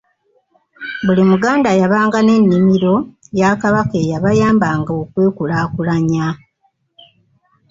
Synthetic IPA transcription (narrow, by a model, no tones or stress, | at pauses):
bulimuɡaːndajaβaːŋɡane̞nːimiɾo̞jakaβakejaβajaːmbaŋɡaokwe̞ːkulaːkulaɲa